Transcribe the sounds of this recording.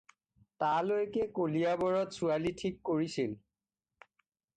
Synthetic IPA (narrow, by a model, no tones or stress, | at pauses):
talojkɛkoliabɔɹɔtsualitʰikːoɹisil